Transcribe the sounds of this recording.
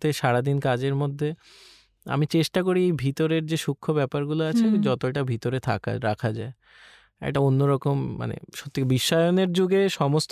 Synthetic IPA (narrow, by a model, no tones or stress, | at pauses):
t̪eʃaɾad̪inkad͡ʑeɾmod̪ʱːe | a̰mit͡ɕeʃʈak̬oɾiejbʱit̪oɾeɾd͡ʑeʃukʰːobɛpaɾɡuloat͡ɕʰed͡ʑɔt̪oɛʈabʱit̪oɾet̪ʰa̰ka̰ɾakʰad͡ʑae | ɛ̰kʈaonːoɾɔkomːa̰nḛʃot̪ːibiʃːɔeoneɾd͡ʑuɡeʃɔmost̪